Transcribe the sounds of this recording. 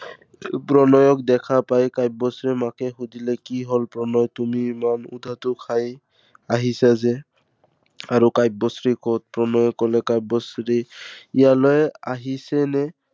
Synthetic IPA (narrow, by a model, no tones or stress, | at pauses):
pɹɔnɔjɔk̚dɛkʰapajkajp̚bɔsɹimakɛxudilɛkiɦɔlpɹɔnɔjtumimanṵd̪ʱatʊkʰaj | aɦisazɛ | aɹukajb̚bɔsɹikɔt̚pɹɔnɔjɔkːɔlɛkajb̚bɔsɹiijalɔjaɦisɛnɛ